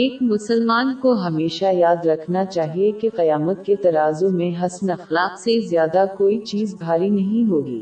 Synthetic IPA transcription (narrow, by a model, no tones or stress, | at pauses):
eːkmʊsəlmaːnkoɦɐmeːʃajaːd̪ɾɐkʰnat͡ʃaːɦiekeqɐjaːmət̪̚ket̪ɐɾaːzõmẽɦɐsnɐxlaːqsezjaːd̪akoːit͡ʃiːzbʱaːɾinɐɦĩɦoːɡḭː